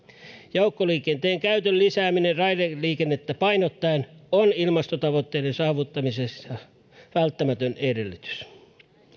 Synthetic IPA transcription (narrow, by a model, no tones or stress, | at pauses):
joukːoliːkent̪eːŋkæyt̪ølːisæːminerɑideliːkenːet̪ːæpɑinot̪ːɑenonilmɑst̪ot̪ɑʋot̪ːeːdensɑːʋut̪ːɑmisesjɑ | ʋælt̪ːæmæt̪ønedelːyt̪y̥s